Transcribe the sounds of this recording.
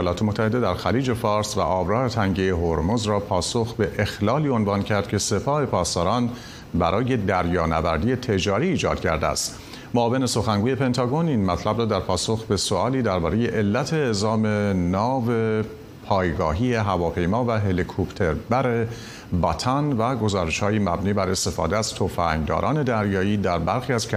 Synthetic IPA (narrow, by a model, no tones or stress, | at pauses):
jːlɒːt̪e̞mot̪ʰːæhe̞d̪e̞d̪æɾxæliːd͡ʒe̞fɒːɾsvæ̰ʔɒːbɾɒːɾe̞t̪ʰæŋɟejeɦoɾmozɾɒːpʰɒːsoxbe̞ʔexlɒːliːonvɑːncʰæɾd̪̥cʰe̞se̞pʰɒːhe̞pʰɒːst̪ɒːɾɒːn | bæɾʔɒːje̞d̪æɾjɒːnævæɾd̪iːje̞t̪ʰe̞d͡ʒɒːɾiːd͡ʒɒ̰ːd̪̥cʰæ̰ɾd̪eæ̰st̪ | moɒːve̞ne̞so̞xæŋɡuːje̞pe̞nt̪ʰɒːɡo̞niːnmæt̪ʰlæbɾɒːd̪æɾpʰɒːso̞xbe̞soɒːliːd̪æɾbɒːɾe̞je̞ʔelːæt̪ʰe̞ːzɒːme̞nɒːve̞ | pʰɒːjɡɒːɦiːeɦævɒːpʰe̞jmɒːvæɦelikʰopʰt̪ʰe̞ɾbæɾe | bɒt̪ʰænvæɡo̞zɒːɾe̞ʃhɒːjimæbniːbæɾe̞st̪e̞fɒ̰ːd̪eæz̥t̪ʰofæŋd̪ɒ̰ːɾɒ̰ːne̞d̪æɾjɒːiːd̪æɾbæɾxiːæz̥kʰ